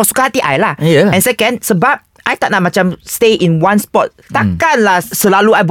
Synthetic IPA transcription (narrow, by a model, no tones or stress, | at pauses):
ɔsu̥kahat̪iʔajlajaɛ̃nsɛkɛ̃nsəbap̚ | ʔajt̪aʔ̚natʔ̚mat͡ʃãmst̪eʔĩnwãnspɔt̚t̪akanlasəlaluajb